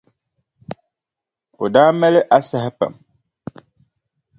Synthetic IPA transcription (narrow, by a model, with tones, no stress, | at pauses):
o̰˨daː˦mɛ˦lɪ˦ʔa˦sɛ˨ɦɛ˦pa̰˨m